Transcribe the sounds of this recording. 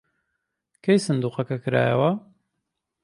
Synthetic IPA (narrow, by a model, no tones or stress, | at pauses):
kʰejsɨnd̪uːqɐkɐkɨɾa̰ːjɐwɐ